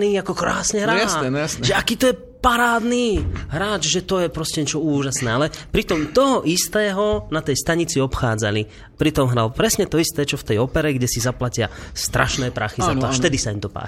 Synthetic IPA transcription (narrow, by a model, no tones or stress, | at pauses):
niːakɔkɾaːsɲɛɦɾaasjasʒɛakiːt̪ɔjɛ | paɾaːd̪niːɦɾaːd͡ʒʒɛt̪ɔjɛpɾɔscɛɲɛt͡ʃɔuːʒasnɛːalɛpɾit̪ɔmt̪ɔɦɔʔist̪ɛːɦɔnat̪ɛjst̪aɲit͡siɔpxaːd͡zali | pɾit̪ɔmɦɾalpɾɛsɲɛt̪ɔist̪ɛːt͡ʃɔft̪ɛjɔpɛɾɛɡɟɛsizaplacɪa̰st̪ɾʔaʃnɛːpɾaxizat̪ɔaftɛd̪isaimt̪ɔpa̰ː